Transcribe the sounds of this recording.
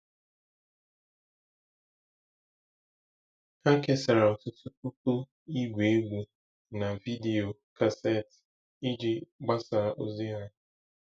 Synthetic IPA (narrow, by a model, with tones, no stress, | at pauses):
ha˦ke˦sa˨ɾa˨o˨tʊ˦tu˦ku˦ku˦ | i˦ɡʷe˨e˦ɡʷu˨ | na˨vi˦di˨o˨ka˨se˦˨t | i˦d͡ʒi˨ɡ͡ba˦sa˨ɾa˨ʔo˦zi˦a˦